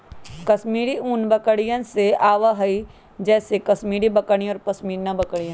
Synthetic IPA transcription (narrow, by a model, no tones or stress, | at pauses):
kɐsmiːɽiuːnbɐkəɽijə̃nseaːʋaɦɐi | d͡ʒɛːsekɐsmiːɽibɐkəɽ̃iɔːɾpɐsmiːɾnɐbɐkəɽijə̃